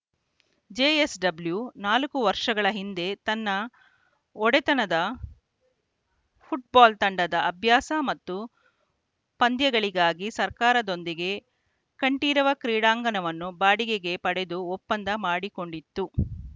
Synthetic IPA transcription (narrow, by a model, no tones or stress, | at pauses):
d͡ʒeːesɖɐbljunaːlɐkuʋɐɾʂɐɡɐɭɐɦind̪e̞t̪ɐnːɐ | ɔɽɛt̪ɐnɐd̪ɐ | pʰuʈ̚baːlt̪ɐɳɖɐd̪ɐːbʱjaːsɐmɐt̪ːu | pɐnd̪jɐɡɐɭiɡaːɡisɐɾkaːɾɐd̪o̞nd̪iɡe̞ | kɐɳʈiːɾɐʋɐkɾiːɽaːŋɡɐnɐʋɐnːubaːɽiɡeɡe̞pɐɽe̞d̪uɔpːɐnd̪ɐmaːɽiko̞ɳɖit̪ːu